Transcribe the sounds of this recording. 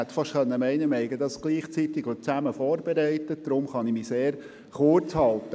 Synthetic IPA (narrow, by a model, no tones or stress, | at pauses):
ɛt̪ːfɑʃtχœnːəmɛɪnəmɛɪɡəd̪ɑsɡ̥liːχt͡sit̪ɪɡʋət͡sæməfɔːɾb̥ɛɾɛɪtəd̥̪ɾʊmχɑnimiseːɾ | χʊrt͡shɑlt̪ə